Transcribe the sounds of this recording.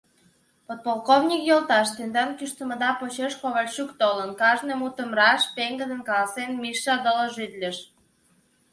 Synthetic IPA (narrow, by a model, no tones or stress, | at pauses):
pot̪̚polˠkovnʲikjolˠt̪ɑʃt̪end̪ɑnkyʃt̪ə̆mə̆d̪ɑpot͡ɕeʃkoβəlʲt͡ɕukt̪olənkɑʒnemut̪ə̆mrɑʃpeŋɡə̆d̪ə̆nkɑlɑsenmiʃːɑd̪ələ̆ʒyd̪lʲeʃ